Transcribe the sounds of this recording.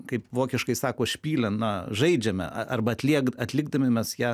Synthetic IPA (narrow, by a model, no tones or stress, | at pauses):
kɐɪpʋoːkʲɪʃkɐɪsɑːkoːʃʲpʲiːlʲɛnnɐʒɐɪd͡ʒʲɛmʲɛ̰ɐɐrbɐɐt̪ʲlʲiɛɡɐt̪ʲlʲɪɡ̚d̪ɐmʲɪmʲɛsjæː